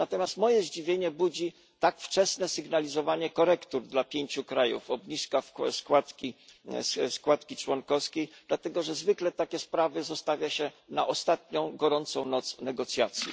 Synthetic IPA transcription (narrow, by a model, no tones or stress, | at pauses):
nat̪ɔmʲjast̪mɔjɛʑd͡ʑivʲjeɲɛbud͡ʑi | t̪akft͡ʂɛsnɛsɘɡnalʲizɔvaɲɛkɔɾɛkt̪uɾd̪lapʲjeɲt͡ɕukɾajṵfɔbɲiskafskwat̪kʲisskwat̪kʲit͡ʂwɔnkɔskʲejd̪lat̪ɛɡɔʐɛzvɘklɛt̪akʲɛspɾavɘzɔst̪avʲjaɕɛnaʔɔst̪at̪̚ɲɔ̃w̃ɡɔɾɔnt̪sɔ̃w̃nɔt̪snɛɡɔt̪sʲjat̪sʲjḭ